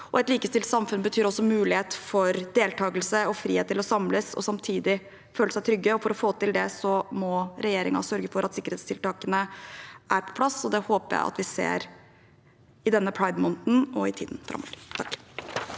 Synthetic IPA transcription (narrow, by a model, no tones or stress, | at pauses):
ʔɔɛt̪liːkəst̪ɪlt̪sɑmfʉnbət̪ʰyːɾɔsːɔmʉːlɪheːt̪fɔɾd̪eːlt̪ʰɑːɡəlsəɔfɾḭːeːt̪ʰːɪlɔsɑmləsɔ̰sɑmt̪ʰiːd̪ɪ | føːləsæɪt̪ʰɾʏɡːəɔfɔɾɔfoːt̪ɪld̪ɛsɔmɔɾɛjeːɾɪŋɑ̰sœɾɡəfɔɾʔɑt̪sɪkːəɾheːt̪st̪ʰɪlt̪ɑːkənəʔæɾpʰɔ̥pʰlɑsɔd̪ɛhoːpəɾjæ̰ɪʔɑ̰t̪ʋɪsḛːɾ | ɪd̪ɛnːəpʰɽɑɪd̪mɔnt̪n̩ɔɪt̪ʰḭːd̪n̩fɾɑ̰mɔ̰lt̪ʰɑkː